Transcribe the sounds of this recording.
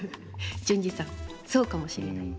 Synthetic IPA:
d͡ʑɨ̃ɲ̟d͡ʑisãŋso̞ːkamo̞ɕiɾe̞nai

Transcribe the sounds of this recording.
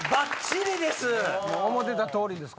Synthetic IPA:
bãt͡ɕiɾʲid̪e̞sɨmoomot̪e̞t̪at̪o̞ːɾʲid̪e̞sk

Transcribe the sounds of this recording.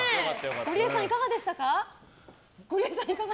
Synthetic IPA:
ɡ̥oɾʲiesãɰ̃ikaɡad̪e̞ɕi̥t̪aka | ɡ̥oɾiesãɰ̃ikaɡa

